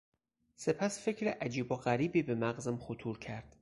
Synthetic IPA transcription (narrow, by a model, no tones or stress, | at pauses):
se̞pʰæsfe̞cʰɾeʔæd͡ʒiːboɣæɾiːbiːbemæɣzæmχot̪ʰuːɾcʰæɾd̪̥